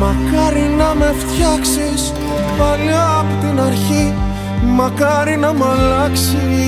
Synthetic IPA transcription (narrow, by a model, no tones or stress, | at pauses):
mɐkɐɾinɐme̞ft̪çɐksis | pɐlɐpot̪inɐɾçi | mɐkɐɾinɐmɐlɐksi